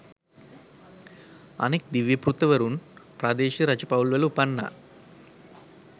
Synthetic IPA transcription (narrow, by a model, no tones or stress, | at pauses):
ɐ̰neːk̚d̪iʋjɐpɾut̪ɐʋɐɾunpɾaːd̪eːʃiɾɐt͡ʃɐpɐwlʋɐlupɐnːɐ̰